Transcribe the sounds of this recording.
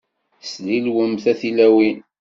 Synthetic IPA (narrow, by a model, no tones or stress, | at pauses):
slilwəmθæθilæwi